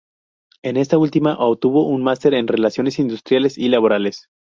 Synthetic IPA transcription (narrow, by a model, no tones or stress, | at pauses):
e̞ne̞st̪ault̪imaʔoβt̪uβo̞ʔunmast̪e̞ɾenre̞lasjo̞ne̞sind̪ust̪ɾjale̞silaβo̞ɾale̞s